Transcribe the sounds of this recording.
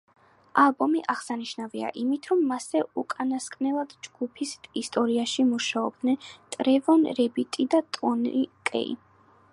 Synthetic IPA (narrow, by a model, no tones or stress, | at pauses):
alˠbɔmiʔaʁsaniʃnavia̰ʔimit̪ʰɾɔmːasɛukʼanaskʼnɛlˠad̪̥d͡ʒɡ̥upʰisist̪ʼɔɾiaʃimuʃaɔb̚d̪nɛnt̪ʼɾɛvɔnɾɛbit̪ʼid̪at̪ʼɔnikʼɛ̰ḭ